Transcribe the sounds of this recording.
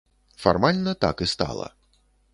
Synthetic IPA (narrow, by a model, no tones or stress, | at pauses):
fa̰rmalʲnɐt̪a̰kɨst̪a̰lˠɐ̰